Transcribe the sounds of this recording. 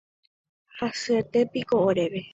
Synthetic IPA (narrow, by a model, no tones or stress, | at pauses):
hasɨet̪e̞pikooɾe̞ʋe